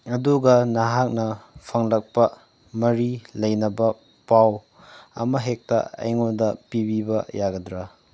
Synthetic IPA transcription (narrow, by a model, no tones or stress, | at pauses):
ɐduɡɐnaɦak̚nɐpʰɐŋlɐk̚pɐ | mɐɾilɐjnɐbɐ | paw | ɐ̰mɐɦek̚tɐ̰ɐ̰jŋodɐpibibɐjaɡɐdɾa